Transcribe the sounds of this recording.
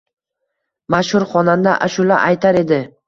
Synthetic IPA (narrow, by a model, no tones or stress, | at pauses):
maʃhʊɾχɒnand̪aʔaʃʊla̰ʔajt̪ʰaɾe̞d̪ɪ